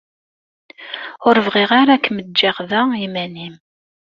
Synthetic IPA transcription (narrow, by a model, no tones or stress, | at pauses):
ʊɾəvʁiʁaɾakːmədd͡ʒːaχðæimænim